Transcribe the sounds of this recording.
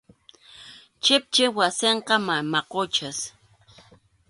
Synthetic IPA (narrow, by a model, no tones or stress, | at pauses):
t͡ʃɪp̚t͡ʃewaseɴqɑmamɑqot͡ʃas